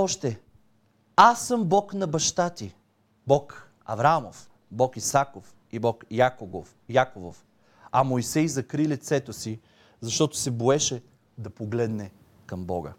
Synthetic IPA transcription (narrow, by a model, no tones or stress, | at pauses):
ɔʃt̪ɛ | asːɤmbɔknɐbɐʃt̪at̪i | bɔk | ɐ̰vɾamof | bɔkisakof | ibɔkjakoɡo | jakovof | ɐmojsɛjzɐkɾilit̪sɛt̪osi | zɐʃt̪ɔt̪ʊ̥sɛboɛʃɛ | d̪ɐpoɡlɛd̪nɛ | kɐmbɔ̰ɡə̰